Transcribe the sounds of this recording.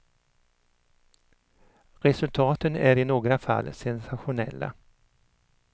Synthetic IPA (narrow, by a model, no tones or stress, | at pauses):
ɾɛsɵlt̪ʰɑːt̪ənæɾɪnoːɡɾafa̰lːsɛnsaɧʊnɛ̰lːa̰